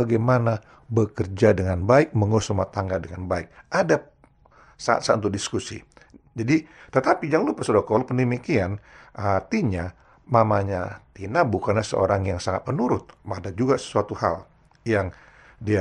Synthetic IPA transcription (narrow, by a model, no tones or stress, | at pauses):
aɡajmana | bəkərd͡ʒadəŋanbaɪk̚məŋosumat̪aŋɡadəŋanbaɪk̚ada | saa̰t̪̚sant̪udiskusḭ | d͡ʒadit̪ət̪apid͡ʒaŋlupasodakolpəndəmikianʔat̪iɲa | mamaɲat̪inabukanlasə̰o̰ɾaŋjaŋsaŋat̪̚mənuɾʊt̪̚madad͡ʒuɡasə̥suat̪uha̰l | jaŋ | dia